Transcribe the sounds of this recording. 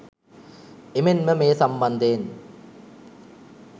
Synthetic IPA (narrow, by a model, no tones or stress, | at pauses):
emenmɐmeːsɐmbɐnd̪eːn